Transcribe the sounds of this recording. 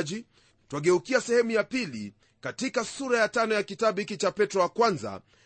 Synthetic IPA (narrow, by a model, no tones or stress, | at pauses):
ʄi | twaɡɛukiasɛhɛmujapilḭ | katikasuɾajatanɔjakitaɓikit͡ʃapɛtɾɔakwanza̰